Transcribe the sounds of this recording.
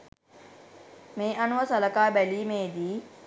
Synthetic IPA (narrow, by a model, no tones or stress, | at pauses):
meːʔanuʋəsaləkaːbæliːmeːd̪iː